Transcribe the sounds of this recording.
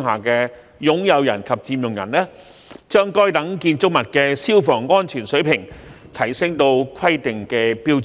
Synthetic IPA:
ŋɦaː˨kɛː˧ | jʊ˨˥ŋjɐ˨˧wjɐ̰˨˩nkʰɐ˨p̚t͡siː˧mjʊ˨ŋjɐ̰˨˩nlɛː˥ | t͡ʃœː˥ŋkɔː˥jt̪ɐ˨˥ŋkiː˧nt͡sʊ˥k̚mɐ˨t̚kɛː˧siː˥wfɔː˨˩ŋːɔː˥nt͡ʃʰyː˨˩nsɵ˨˥ɥpʰɪ˨˩ŋt̪ʰɐ˨˩jsɪ˥ŋt̪o˧wkʰɐ˥jt̪ɪ˨ŋkɛː˧piː˥w

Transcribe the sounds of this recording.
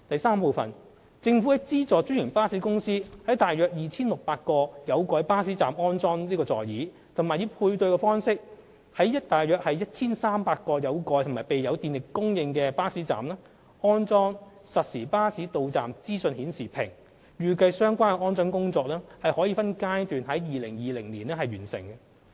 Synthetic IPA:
t̪ɐ˨jsaː˥mpo˨˧wfɐ̰˨n | t͡sɪ˧ŋfu˨˥ɪ˥t͡siː˥t͡sɔː˨t͡ʃy˥jɪ˨˩ŋpaː˥si˨˥kʊ˥ŋsiː˥hɐ˨˥jt̪aː˨jœː˨k̚jiː˨t͡sʰiː˥nlʊ˨k̚paː˧t̚kɔː˧jɐ˨˧wkɔː˨˧˥jpaː˥siː˨˥t͡saː˨mɔː˥nt͡sɔː˥ŋliː˥kɔː˧t͡sɔ̰ː˨jjiː˨˥ | t̪ʰʊ˨˩ŋmaː˨jiː˨˧wpʰuː˧jt̪ɵ˧ɥkɛː˧fɔː˥nsɪ˥k̚ | hɐ˨˥jːɐ˥t̚t̪aː˨jœː˨k̚hɐ˨jːɐ˥t̚t͡sʰiː˥nsaː˥mpaː˧t̚kɔː˧jɐ˨˧wkɔː˧˥jtʰʊ˨˩ŋmaː˨˩pe˨jːɐ˨˧wt̪iː˨nlɪ˨kkːʊ˥ŋjɪ˧ŋkɛː˧paː˥siː˨˥t͡sa̰ː˨mlɛː˥ | ʔɔː˥nt͡sɔː˥ŋ | sɐ˨t̚siː˨˩paː˥siː˨˥t̪o˨˧wt͡sa̰ː˨mt͡siː˥sɵ˧nhiː˨˥nsiː˨˩pʰɪ̰˨˩ŋ | ɥyː˨kɐ˧jsœː˥ŋkʷaː˥nɛ˧ɔː˥nt͡sɔː˥nkʊ˥ŋt͡sɔː˧k̚lɛː˥hɐ˨jhɔː˨˥jiː˧fɐ˥nkaː˥jt̪yː˨nɦɐ˨˥jjiː˨lɪ˨˩ŋjiː˨˩lɪ˨˩ŋliː˨˩nɛː˥hɐ˨jɥyː˨˩nsɪ̰˨˩ŋkɛ˧

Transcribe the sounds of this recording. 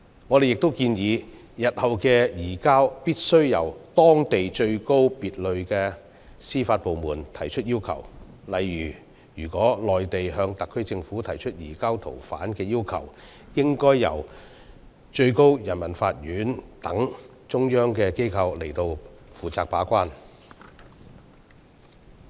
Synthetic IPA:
ŋɔː˨˧d̪e˨jɪ˨k̚t̪o˥wkiː˧njiː˨˧ | jɐ˨t̚hɐ˨wkɛː˧jiː˨˩kaː˥wpiː˥t̚sɵ˥ɥjɐ˨˩wt̪ɔː˥ŋt̪e˨jt͡ʃɵ˧ɥko˥wpiː˨t̚lɵ˨˧ɥkɛː˧ | siː˥faː˧t̚po˨wmuː˨˩nt̪ʰɐ˨˩jt͡ʃʰɵ˥t̚jiː˥wkʰɐ̰˨˩w | lɐ˨jːyː˨˩ | jyː˨˩kʷɔː˨˥lɔː˨jt̪e˨jɦœː˧ŋt̪ɐ˨kʰːɵ˥ɥt͡sɪ˧ŋfuː˨˥t̪ʰɐ˨˩jt͡ʃʰɵ˥t̚jiː˨˩kaː˥wt̪ʰo˨˩wfa̰ː˨˥nkɛː˧jiː˥wkʰɐ̰˨˩w | jɪ˥ŋkɔː˥jːɐ̰˨˩w | t͡ʃɵ˧ɥko˥wjɐ˨˩nmɐ˨˩nfaː˧t̚jyː˨˥nt̪ɐ˨˥ŋ | t͡ʃʊ˥ŋjœː˥ŋkɛː˧ke˥jkʰɐ˧wle˨˩jt̪o˧wfuː˨t͡saː˧k̚paː˨˥kʷaː˥n

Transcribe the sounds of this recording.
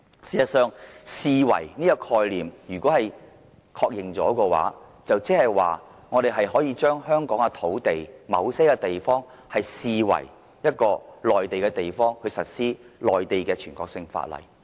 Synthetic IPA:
siː˨˧ɐ˨sœː˨˧ŋsiː˨wɐ̰˨˩jniː˥kɐ˧kʰɔː˧jliː˨˩mjyː˨˩kʷwɔː˨˥hɐ˨j | kʰɔː˧k̚jɪ˨ŋt͡sɔ̰ː˨˥kɔː˧wa̰ː˨˥ | t͡sɐ˨wt͡sɛ˥hɐ˨jwaː˨ | ŋɔː˨˧ɾe˨jɦɐ˨jɦɔː˨˥jiː˧t͡ʃœː˥ŋhœː˥ŋkɔː˨˥ŋɛ˧t̪ʰo˨˥wt̪e˨jmɐ̰˨˧wse˥kɛ˧t̪e˨jfɔː˥ŋ | hɐ˨jsiː˨˧wɐ̰˨˩j | jɐ˥t̚kɔː˧lɔː˨jt̪e˨jkɛː˧t̪e˨jfɔː˥ŋhɵ˨˧ɥsɐ˨t̚siː˥lɔː˨jt̪e˨jkɛː˧t͡ʃʰyː˨˩nkɔː˧k̚sɪ˧ŋfa̰ː˧t̚lɐ̰˨˩j

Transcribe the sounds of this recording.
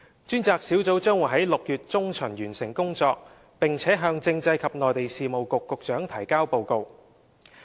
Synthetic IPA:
t͡ʃyː˥nt͡saː˧k̚siː˨˥wt͡so˨˥wt͡ʃœː˥ŋwuː˨˩jɦɐ˨˥jlʊ˨k̚jyː˨t̚t͡sʊ˥ŋt͡ʃʰɵ˨˩ŋjyː˨˩nsɪ˨˩ŋkʊ˥ŋt͡sɔː˧k̚ | pɪ˨ŋt͡sʰɛː˨˥ɦœː˧ŋt͡sɪ˧ŋt͡sɐ˧jkʰɐ˨p̚nɔː˨jt̪e˨jsiː˨˧mo˨wkʊ˨kːʊ˨k̚t͡ʃœː˨˥ŋt̪ʰɐ˨˩jkaː˥wpo˧wko˧w

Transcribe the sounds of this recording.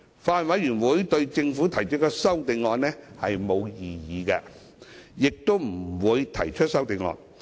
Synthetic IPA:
faː˨˧nwɐ˨˧˥jɥyː˨˩nwuː˨˥jt̪ɵ˧ɥt͡sɪ˧ŋfu˨˥t̪ʰɐ˨˩jt͡ʃʰɵ˥kɔ˧sɐ˥wt̪e˨˧˩ŋŋɔː˨˧nnɛ˥hɐ˨jmo˨˧wjiː˨jiː˨˧kɛ˧ | jɪ˨k̚t̪o˥wm̩˨˩wuː˨˧jt̪ʰɐ˨˩jt͡ʃʰɵ˥t̚sɐ˥wt̪e˨˧ŋŋɔ̰ː˨˧n

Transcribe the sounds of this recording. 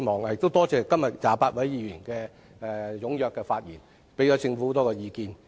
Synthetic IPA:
mɔː˨ŋhjɪ˨kt̪o˥wt̪ɔː˥t͡sɛː˨˧kɐ˥mjɐ˨t̚jaː˨˩paː˧t̚wɐ˨˥jjiː˨˧jyː˨˩nkɛː˧ | ɛ˧jʊ˨˥ŋjœː˨˧kːɛː˧faː˧t̚jḭː˨˩n | pe˨˥jɔː˨˥t͡sɪ˧ŋfu˨˦˥t̪ɔː˥kɔː˧jiː˨˧kiː˧n

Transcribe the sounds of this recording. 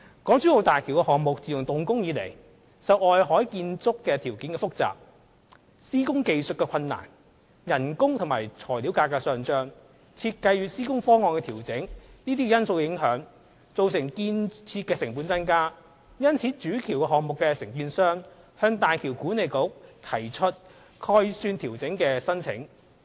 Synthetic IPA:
kɔː˨˥ŋt͡sʰyː˥o˨˧wt̪aː˨jkʰiː˨˩wkɛ˧ɦɔː˨ŋmʊ˨k̚t͡siː˨jʊ˨˩ŋt̪ʊ˨ŋkʊ˥ŋjiː˨˧lḛ˨˩j | sɐ˨˧wʔɔː˨jɦɔː˨˥jkiː˧nt͡sʊ˥kːɛː˧t̪ʰiː˨˩wkiː˨˥nkɛ˧fʊ˥k̚t͡sa̰ː˨p̚ | siː˥kʊ˥ŋke˧jsɵ˨t̚kɛ˧kʰɐ˧nːa̰ː˨˩n | jɐ˨˩nkʊ˥ŋt̪ʰŋma̰ː˨˩jt͡sʰɔː˨˩jli˨˥wkaː˧kːaː˧sœː˨ŋt͡ʃœː˥ŋ | t͡sʰiː˧t̚kɐ˧jɥyː˧siː˥kʊ˥ŋfɔː˥ŋɔː˨˧nkɛ˧t̪ʰiː˨˩wt͡sɪ˨˥ŋniː˥t̪̬iː˥kɛ˧jɐ˥nso˧wjɪ˨˥ŋɦœː˨˥ŋ | t͡so˨˧wsɪ˨˩ŋkiː˧nt͡sʰiː˧t̚kɛː˧sɪ˨˩ŋpuː˨˥nt͡sɐ˥nkaː˥ | jɐ˥nt͡sʰiː˨˥t͡ʃyː˨˥kʰiː˨˩wkɛ˧ɦɔː˨ŋmʊ˨kːɛ˧sɪ˨˩ŋkiː˧nsœː˥ŋ | hœː˧ŋt̪aː˨jkʰiː˨˩wkuː˨˥ne˨jkʊ˨˥k̚t̪ʰɐ˨˩jt͡ʃʰɵ˥t̚ | kʰɔː˧˥jsyː˧nt̪ʰiː˨˩wt͡sɪ˨˥ŋkɛː˧sɐ˥nt͡sʰɪ̰˨˥ŋ

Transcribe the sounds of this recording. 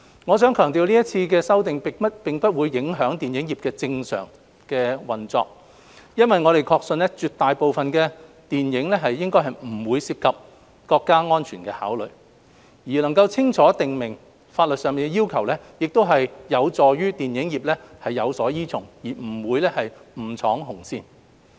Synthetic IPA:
ŋɔː˨˧sœː˨˥ŋkʰœː˨˩ŋt̪iː˨˧wliː˥jɐ˥t̚t͡sʰiː˧kɛː˧sɐ˥wt̪ɪ˨ŋpɪ˨ɐ˥t̚pɪ˨ŋpɐ˥t̚wuː˨˧jːɪ˨˥ŋɦœː˨˥ŋt̪iː˨njɪ˨˥ŋjiː˨˩p̚kɛː˧t͡sɪ˧ŋsœ̰ː˨˩ŋ | kɛː˧wɐ˨nt͡sɔ̰ː˧k̚ | jɐ˥nwɐ˨jŋɔː˨˧ɾe˨jkʰɔː˧k̚sɵ˧nlɛ˥t͡ʃyː˨˧t̪aː˨jpo˨wfɐ˨nkɛː˧ | t̪iː˨njɪ˨˥ŋlɛ˥ɦɐ˨jːɪ˥ŋkɔː˥jɦɐ˨jm̩˨˩wuː˨˧jsiː˧p̚kʰɐ˨p̚ | kɔː˧kːaː˥ŋɔː˥nt͡ʃʰyː˨˩nkɛ̰ː˧ha̰ː˨˥wlɵ̰˨ɥ | jiː˨˩lɐ˨˩ŋkɐ˧wt͡sʰɪ˥ŋt͡ʃʰɔː˨˥t̪ɪ˨ŋmɪ˨˩ŋ | faː˧t̚lɵ˨t̚sœː˨ŋmiː˨nɡɛ˧jiː˥wkʰɐ˨˩wlɛː˥jɪ˨k̚t̪o˥wɦɐ˨jjɐ˨˧wt͡sɔː˨˩jyː˥t̪iː˨njɪ˨˥ŋjiː˨p̚lɛː˥hɐ˨jːɐ˨˧wsɔː˨˥jiː˥t͡sʰʊ˨˩ŋjiː˨˩m̩˨˩wuː˨˧jlɛː˥hɐ˨jm̩˨˩t͡sʰɔː˨˥ŋɦʊ˨˩ŋsiː˧n

